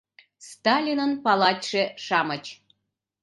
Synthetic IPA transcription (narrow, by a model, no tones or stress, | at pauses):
st̪ɑlʲinənpɑlˠɑtʲʃeʃɑmət͡ɕ